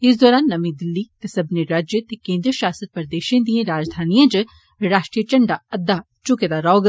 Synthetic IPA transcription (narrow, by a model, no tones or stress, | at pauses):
ɪsd̪ɔːɾaːnːɐmĩd̪ɪlːit̪esɐbneɾaːd͡ʒjət̪ekẽːnd̪ɾʃaːsət̪̚pɐɾd̪eːʃẽd̪iẽɾaːd͡ʒd̪ʱaːnijãd͡ʒ | ɾaːʃʈɾijət͡ʃɐɳɖaɐd̪ːa | t͡ʃʊked̪aɾɔːɡ